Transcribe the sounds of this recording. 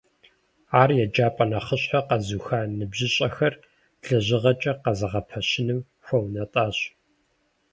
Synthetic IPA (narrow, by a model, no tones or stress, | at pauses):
aːrjɛd͡ʒaːpʼɐnɐχəɕħaqɐzuːxaːnɨbʑɪɕʼɐxɐr | ɬɐʑɪʁɐt͡ʃʼɐqɐzɐʁɐpʰɐɕɪnɨm | ħʷownɐtʼaːɕ